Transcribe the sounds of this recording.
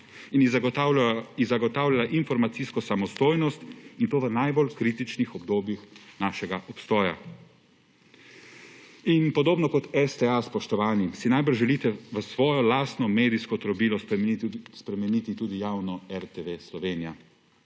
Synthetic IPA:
in | izaɡɔt̪aːwlʲjalaʔinfɔɾmat̪siskɔsamɔst̪oːjnɔst̪int̪oːʋənajbɔlkɾiːt̪it͡ʃnixɔbd̪oːbjixnaːʃɛɡaʔɔpst̪ɔːja̰ | inpɔd̪oːbnɔkɔt̪ɛst̪ɛaspɔʃt̪ɔʋaːnimsinajbəɾʒɛlit̪ɛʋəsʋɔːjɔlaːst̪nɔmeːd̪iskɔt̪ɾɔbiːlɔ | spɾɛmɛniːt̪it̪uːd̪ijawnɔɛɾt̪eʋeslɔʋeːnija

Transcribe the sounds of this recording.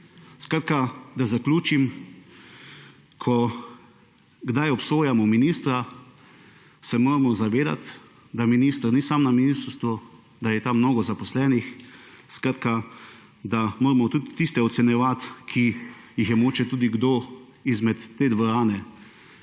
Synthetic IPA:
skɾaːt̪̚kad̪azaklʲuːt͡ʃim | kʰɔ | ɡd̪ajɔpsoːjamɔminiːst̪ɾa | sɛmoːɾamɔzaʋeːd̪a̰t̪ | d̪aminiːst̪ɾnisamnaminiːst̪ɾst̪ʋu | d̪ajɛt̪amːnoːɡɔzapɔslɛːnixskɾaːt̪ka | d̪amoːɾmɔt̪uːt̪t̪ːist̪ɛɔt̪sɛnjɛʋat̪kʰijixjɛmoːt͡ʃɛt̪uːd̪iɡd̪o | izmɛt̪ːeːd̪ʋɔɾaːnɛ

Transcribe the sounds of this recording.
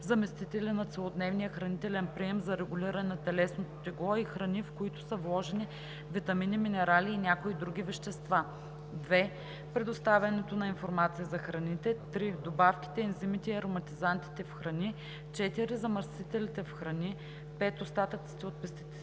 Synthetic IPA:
zɐmɛst̪it̪ɛlinɐt̪sɛlˠod̪nɛvnijəxɾɐnit̪ɛlɛnpɾiɛmzɐɾɛɡʊliɾɐnɛnɐt̪ɛlɛsnot̪o̥t̪ʲɛɡlˠɔixɾɐnifkoit̪ʊ̥səvlˠɔʒɛni | vit̪ɐminiminɛɾaliːnʲakoid̪ɾuɡʲivɛʃt̪ɛst̪va | d̪vɛ | pɾɛd̪ost̪avʲɐnɛt̪onɐinfoɾmat̪sijɐzɐxɾɐnit̪ɛt̪ɾid̪obafkʲi̥t̪ɛɛnzimit̪ɛiɐɾomɐt̪izant̪i̥t̪ɛfxɾɐni | t͡ʃɛt̪iɾizɐmɐɾsit̪ɛlit̪ɛfxɾɐni | pɛt̪ost̪at̪ət̪si̥t̪ɛot̪̚pɛst̪it̪ɛ

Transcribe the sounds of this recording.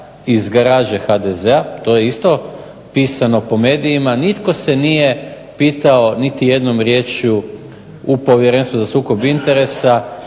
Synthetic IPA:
izɡaɾaːʒexad̪ezeat̪o̞jeist̪o̞ | piːsano̞po̞me̞ːd̪ijimanit̪ko̞se̞nije̞ | piːt̪ao̞nit̪ije̞d̪no̞mɾje̞ːt͡ʃu | upo̞ʋjeɾenst̪uzasuːko̞bint̪e̞ɾe̞sa

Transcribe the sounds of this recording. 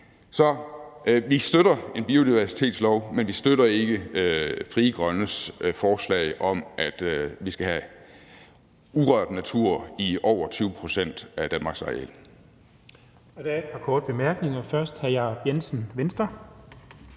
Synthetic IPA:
sɒ̽ʔʋisd̥øɾɐe̝nb̥io̝d̥iʋæɐsi̥t͡sʰe̝̰ːd̥slɒʊmenʋisd̥øɾɐe̝ɡ̥əøfʁiːəɡ̥ʁɶnəsfɒːslɛ̰ɪʔɒ̽mʔæd̥ʋisɡ̥æɦæ | uʁɶɐ̰d̥næt͡sʰuɐ̰iʔɒʊ̰ɐt͡sʰyːʊəpʰʁo̝sen̰d̥æd̥ænmɑ̈ːɡ̥sɑ̈ḛl̰ | ɒd̥eɐed̥pʰɑ̈kʰɔːd̥əb̥emæɐɡ̥neŋɐfɶɐsd̥hæjɑb̥jensənʋensd̥ɐ

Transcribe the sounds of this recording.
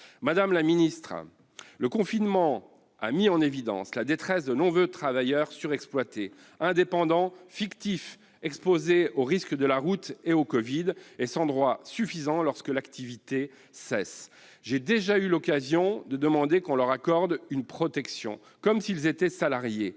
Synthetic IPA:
mad̪amlaminist̪χ | ləkɔ̃finmɑ̃ | a̰miɑ̃nevid̪ɑ̰̃slad̪et̪χɛsd̪ənɔ̃vøt̪χavajœʁsyʁɛksplwat̪e | ɛ̃d̪epɑ̃d̪ɑ̃fikt̪if | ɛkspozeoʁiskd̪əlaʁut̪eokɔvid̪ɛsɑ̃d̪ʁwasyfizɑ̃lɔʁskəlakt̪ivit̪e | sɛs | ʒed̪eʒaylɔkazjɔ̃d̪əd̪əmɑ̃d̪ekɔ̃lœʁakɔʁd̪ynpχɔt̪ɛksjɔ̰̃ | kɔmsilzet̪ɛsalaʁje

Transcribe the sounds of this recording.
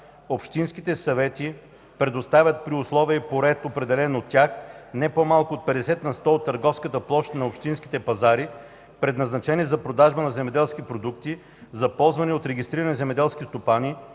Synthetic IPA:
opʃt̪inskit̪ɛsɐvɛt̪i | pɾɛd̪ost̪avʲət̪̚pɾiʊslˠɔviɛipoɾɛt̪opɾɛd̪ɛlɛnot̪ːʲaxnɛpomalˠkʊot̪̚pɛd̪ɛsɛt̪nɐst̪ɔot̪ːɐɾɡɔfskət̪əplˠɔʃnɐopʃt̪inski̥t̪ɛpɐzaɾi | pɾɛd̪nɐznɐt͡ʃɛniɛzɐpɾod̪aʒbənɐzɛmɛd̪ɛlˠsk̟ipɾod̪ukt̪i | zɐpɔlˠzvɐniot̪ɾɛɡʲist̪ɾiɾɐnizɛmɛd̪ɛlˠskʲist̪opani

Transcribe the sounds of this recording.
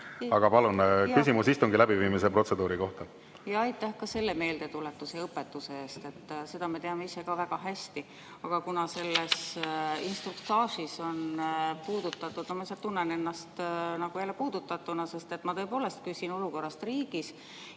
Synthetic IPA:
ɑɡ̥ɑpɑlunkysimusist̪uŋɡ̥ilæbiviːmise̞pro̞t̪se̞d̪uːɾiko̞ht̪ɑ | jɑɑjt̪ːˑæhkɑse̞lːe̞me̞ːld̪e̞t̪ulet̪ːuseɤpːe̞t̪ːˑuse̞e̞ːst̪e̞t̪ːse̞d̪̥ɑme̞t̪e̞ɑmeise̞kɑvæɡ̥ɑɦæsʲt̪i | ɑɡ̥ɑkunɑse̞lːesinst̪rukt̪ɑːʃiso̞npuːd̪̥ut̪ːˑɑt̪ːˑud̪̥nɑmɑisɑt̪unːene̞nːɑst̪nɑɡ̥uelepuːd̪̥ut̪ːˑɑt̪ːˑunɑse̞st̪e̞t̪ːˑmɑt̪ɤ̞epo̞ːle̞st̪̚kysʲino̞luko̞rːɑst̪riːɡ̥is

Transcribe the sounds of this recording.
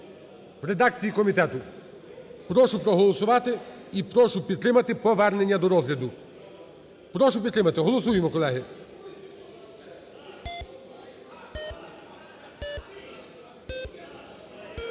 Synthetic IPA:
wɾed̪ɑk̚t͡sʲijikɔmʲit̪ɛt̪ʊ | pɾɔʃʊpɾɔɦɔlˠɔsʊʋɑt̪ɪ | ipɾɔʃʊpʲid̪̚t̪ɾɪmɐt̪ɪpɔʋɛrnenʲːɐd̪ɔɾɔzlʲɐd̪ʊ | pɾɔʃʊpʲid̪t̪ɾɪmɐt̪ɪɦɔlˠɔsujemɔkɔlˠɛɦɪ

